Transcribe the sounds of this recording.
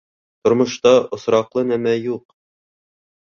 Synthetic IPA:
t̪ŏɾmŏʃt̪ɑŏsɾɑqlˠɤnæmæjuq̚

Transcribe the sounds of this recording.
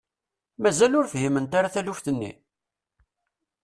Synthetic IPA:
mæzælʊɾfhimənt̪aɾaθælufθənːḭ

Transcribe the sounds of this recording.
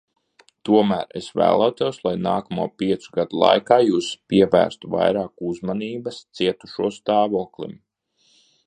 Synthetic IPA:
t̪uɔmæːɾḛsvæ̰ːlˠawt̪ɛwslˠajnaːkamṵɔpiɛt̪suɡad̪ulˠa̰jkaːjuːspiɛvæ̰ːɾst̪uva̰jɾaːkuzmaniːbɐst̪siɛt̪u̥ʃuɔst̪aːvuːklˠḭm

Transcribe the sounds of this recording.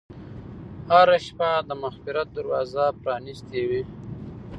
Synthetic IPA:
haɾaʃpad̪əmaxfɪɾat̪̚d̪aɾwɑzapɾɑnist̪ewi

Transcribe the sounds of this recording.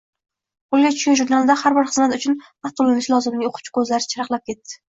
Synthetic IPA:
qʰolˠɡʲat͡ʃʰʊʃkʲanʒʊɾnalˠd̪ahaɾbɪɾχɨzmat̪ʊt͡ʃʰʊn | at̪ʊlˠːɪnɪʃlˠɒzɪmlɪoqʰʊ̥t͡ʃʰɪ̥kʰɵzlaɾɪt͡ʃʰɪɾɑqlˠap̚kʲe̞t̪ːɪ̥

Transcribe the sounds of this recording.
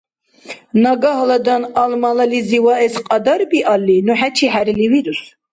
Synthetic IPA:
naɡaɦlad̪analmalaliziwaɛsqʼɑd̪aɾbiʔalːinuħat͡ʃʰiħæɾiliviɾus

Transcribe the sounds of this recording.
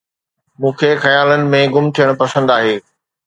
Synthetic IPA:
mũːkʰexɐjaːlənɪ̆mẽɡʊmt̪ʰijəɽ̃pɐsə̃nd̪aːɦeː

